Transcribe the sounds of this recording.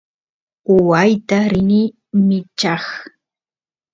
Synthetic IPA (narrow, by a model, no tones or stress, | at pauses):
ʊwajt̪aɾɪnɪ | mɪt͡ʃɑχ